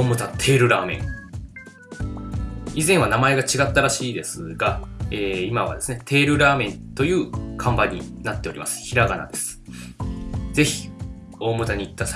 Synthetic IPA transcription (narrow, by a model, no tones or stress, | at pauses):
oːmɯ̟t̪at̪ʰe̞ːɾɯ̟ɾaːmẽ̞̰ŋ | izẽ̞ɰ̃βanamae̞ɡat͡ɕiɡat̪ːaɾaɕiːd̪e̞sɨɡaeːimaβ̞a̰d̪e̞sɨne̞t̪ʰe̞ːɾɯ̟ɾaːmẽ̞nt̪o̞jɯ̟ːkʰãmbaɲ̟ːinat̪ːe̞oɾimʔa̰sɨ̥çiɾaɡana̰d̪e̞sɨ̥ | d͡ze̞çi̥ | o̞ːmɯ̟t̪aɲ̟iːt̪ːasa